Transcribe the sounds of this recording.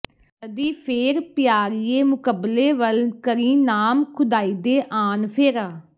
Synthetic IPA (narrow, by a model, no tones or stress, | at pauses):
əd̪iːpʰeːɾpɪjaːɾieːmʊkəbleːʋəlkəɾiːnaːmkʰʊd̪aːiːd̪eːʔaːnpʰeːɾaː